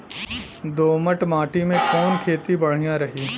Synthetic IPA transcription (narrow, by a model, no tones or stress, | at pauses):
d̪oːməʈmaːʈimẽkɔːnkʰeːt̪ibɐɽ̤ijãɾɐɦiː